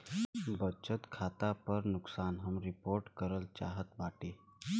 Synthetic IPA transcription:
bət͡ʃət̪kʰat̪apəɾnʊksaːnɦəmɾipoɾʈkəɾəlt͡ʃaɦət̪baʈe

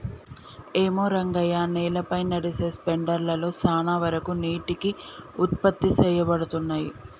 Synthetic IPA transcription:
eːmoːɾɐŋɡɐjaːnɛːlɐpɐjnɐɽise̞ːspeɳɖɐɾlɐlo̞ːsaːnaʋɐɾɐkuniːʈikiut̪̚pɐt̪ːisɛːjɐbɐɽut̪unːaːjḭ

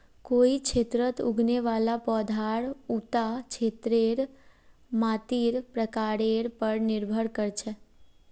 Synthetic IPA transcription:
koikt͡ʃʰet̪ɾət̪uɡʱneʋalapɔd̪ʱaɭut̪at͡ʃʰet̪ɾeɾ | mãt̪iɾpɾəkaɽeɾpəɾnɪɾbʱəɽkəɾt͡ʃʰe

